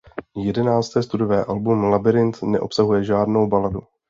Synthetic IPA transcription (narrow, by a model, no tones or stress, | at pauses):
jɛdɛnaːt͡st̪ɛːst̪udovɛːʔalbumlabɪɾɪnt̪nɛ̰ʔo̞psaɦujɛʒaːdno̞wbaladu